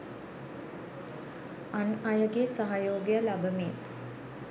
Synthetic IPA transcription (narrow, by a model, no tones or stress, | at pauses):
anajəɡesaɦajoːɡejəlabəmiː